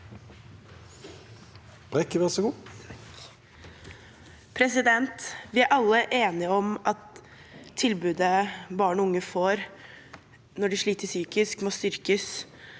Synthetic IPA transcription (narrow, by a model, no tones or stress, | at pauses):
b̥ʁɛkəʋɛʁsɔɡuː | pʰɾɛsɪd̪ɛnt̪ʋɪæɾʔɑlːəʔeːnɪəɔmʔɑt̪ʰː | ɪlbʉːd̪əbɑːɳʊŋːəfoːɾ | nɔɖɪʂɭiːt̪əʂyːkɪskmɔːst̪ʏɾkəs